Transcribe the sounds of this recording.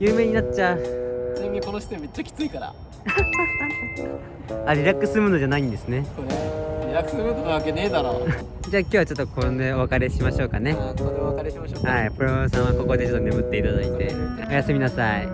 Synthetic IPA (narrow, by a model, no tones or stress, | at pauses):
jɯːme̞ːɲ̟inatt͡ɕːasiĩmʲiko̞noɕi̥t̪eme̞t͡ɕːakʲi̥t͡sɨikaɾa̰ | aɾʲiɾakːɯ̟sɨɾɯmo̞no̞d͡ʑanaĩnd̪e̞sɨne̞sonoɾʲiɾakɯ̥sɨɾɯd̪od̪eakeneːd̪aɾo | d͡ʑaːkʲo̞ːβat͡ɕot̪ːokʰond̪e̞oβakaɾe̞ɕimaɕo̞ːkane̞aeaohaipoɾosãɰ̃ako̞ko̞d̪e̞t͡ɕo̞t̪ːonemɯt̪ːe̞it̪ad̪ait̪e̞̰ | ojasemʲinasai